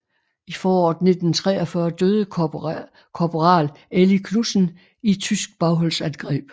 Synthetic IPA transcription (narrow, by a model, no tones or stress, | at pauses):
ifɒːɒ̰ːd̥ne̝d̥n̩t͡sʰʁɛ̰ːɐfɶɐd̥øːð̞ˠə | kʰɒpʰoʁɑ̰̈ːl | elikʰlusn̩ | it͡sʰysɡ̥̚b̥ɑ̈ʊɦɒ̽lsænɡ̥ʁɛ̰ːb̥